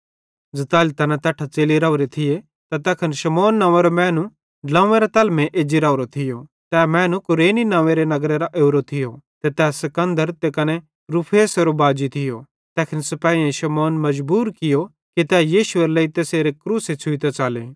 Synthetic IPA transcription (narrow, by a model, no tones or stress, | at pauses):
d͡zɐt̪aːlit̪ɛːnat̪ɐʈʰat͡seːliɾaːʊɾet̪ʰɪje | t̪at̪ɛːkʰɐnʃɐmɔːnːãːʋeɾomɛːnu | ɖlãːeɾet̪ɐlmẽʔeːd͡ʒiɾaːʊɾot̪ʰɪjo | t̪ɛːmɛːnukʊɾeːninãːʋẽɾenɐɡɾeɾaʔeːɾot̪ʰɪjot̪ɛt̪ɛːsɐkɐ̃nd̪əɾt̪ekɐne | ɾupʰeːsɐɾobaːd͡ʒit̪ʰɪjo̰ | t̪ɛːkʰənsɐpaːiẽʃɐmɔːnmɐd͡ʒbuːɾkɪjo | kit̪ɛːjiːʃʊeɾlɐit̪eːseːɾekɾuːset͡sʰʊit̪at͡ʃaːlḛː